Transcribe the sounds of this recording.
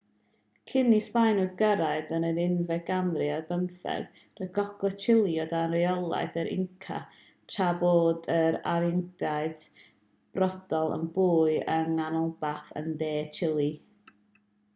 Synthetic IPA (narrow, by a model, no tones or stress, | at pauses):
kʰɪnispajnʊdɡəɾaɨdənəɾɪnvɛɡanrɪarbəmθɛ̰ɡ̥ | rəɡɔɡ̥lˠɛt͡ʃʰɪlˠiɔdanrɪɔlˠa̰ɨθəɾɪ̰ŋkʰa̰ | tʰaboːdəɾa̰ɾɪŋd̥aɨd̥ | b̥rɔd̥ɔlˠə̰nbuːɨəŋanɔlˠbaθə̰ndeːt͡ʃʰɪlˠi